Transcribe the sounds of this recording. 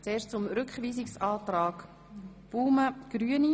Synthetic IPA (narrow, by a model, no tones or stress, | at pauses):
t͡seːʃt͡sʊmɾʏkχʋiːsɪksɑːt̪ɾɑːk | b̥uːməɡ̥ɾyəni